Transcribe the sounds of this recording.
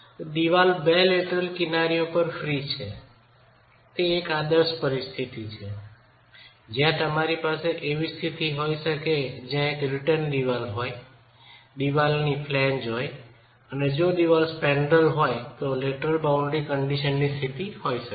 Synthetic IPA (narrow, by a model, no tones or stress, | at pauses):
d̪iʋalbeleʈəlkɪnaɾiopəɾfɾit͡ʃʰe | t̪eːkad̪əɾʃpəɾist̪ʰit̪it͡ʃʰe | d͡ʒjãt̪əmaɾipaseʔeʋist̪ʰit̪iɦojʃəked͡ʒãekɾɪʈənɖ̪iʋalɦoj | d̪iʋalnipʰlɛnd͡ʒoj | əned͡ʒod̪iʋalspɛɳɖəlɦojt̪oleʈəlbaʊ̃ɳɖɾikəɳɖiʃənːist̪ʰit̪ihojʃək